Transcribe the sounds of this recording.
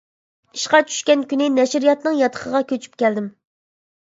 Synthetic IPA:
i̥ʃqɑt͡ʃʰy̥ʃkʲɛnkʲynɪnɛʃɾijɑt̪nɨŋjɑt̪ʰə̥qʰəʁɑkʲʰøt͡ʃʰy̥p̚kʲɛld̪ɪm

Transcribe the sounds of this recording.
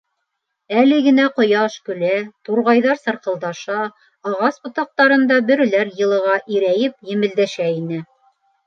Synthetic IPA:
ælɘɡɘ̆næqŏjɑʃkɵ̆læt̪uɾʁɑjðɑɾsɤ̆ɾqɤ̆lˠd̪ɑʃɑː | ʁɑsbŏt̪ɑq̚t̪ɑɾɤ̆nd̪ɑbɘ̆ɾɘ̆læɾjɤ̆lˠɤ̆ʁɑʔiɾæjɘp̚jɘ̆mɘ̆ld̪æʃæinɘ

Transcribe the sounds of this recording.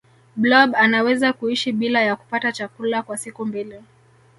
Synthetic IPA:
blɔbanawɛzakuiʃiɓilajaku̥patat͡ʃakulakwasikumbili

